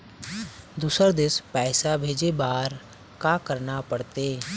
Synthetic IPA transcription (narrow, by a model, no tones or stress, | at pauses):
d̪uːsəɾd̪ɪspɛːsabʱeːd͡ʒebaːɾ | kaːkəɾnapəɽt̪eː